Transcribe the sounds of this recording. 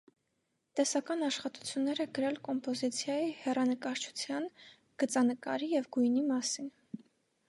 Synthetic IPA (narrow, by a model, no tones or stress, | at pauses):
t̪ɛsɑkɑnɑʃχɑt̪u̥t͡sʰjunːɛɾɛɡəɾɛlkɔmpɔzit͡sʰjɑjihɛrɑnəkɑɾt͡ʃʰu̥t͡sʰjɑn | ɡ̥ət͡sɑnəkɑ̰ɾijɛvɡujnimɑsin